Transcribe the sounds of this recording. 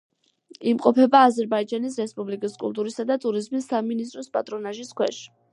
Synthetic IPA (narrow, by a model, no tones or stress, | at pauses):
imqʼɔpʰɛbaːzɛɾbaid͡ʒanis̬ɾɛspʼublikʼiskʼṵlˠt̪ʼuɾisad̪at̪ʼuɾizmisːaminis̬t̪ʼɾɔspʼa̰t̪ʼɾɔnaʒiskʰwɛ̰ʃi̥